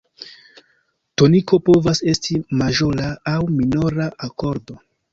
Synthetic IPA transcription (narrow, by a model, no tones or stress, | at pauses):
to̞niko̞po̞vase̞stimaʒolaːwminoɾaʔako̞ɾdo̞